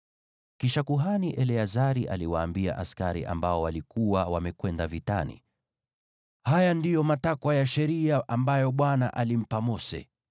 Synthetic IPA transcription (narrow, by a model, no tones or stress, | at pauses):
kiʃakuɦaniʔɛlɛazaɾiʔa̰liwaːmbia̰ʔaskaɾḭʔa̰mbaɔwalikuwawamɛkwɛndavita̰nḭ | hajandijɔmatakwajaʃɛɾiaʔambajɔɓwanaʔalim̩pamɔsɛ̰